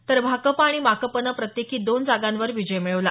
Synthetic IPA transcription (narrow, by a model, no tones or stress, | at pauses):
t̪əɾbʱakəpaɽ̃imakəpənəpɾət̪jekʰiːd̪ond͡zaɡanʋəɾʋid͡ʑəjmiɭʋla